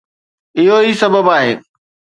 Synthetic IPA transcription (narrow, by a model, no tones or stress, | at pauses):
ɪɦoisɐbʱəbaːɦeː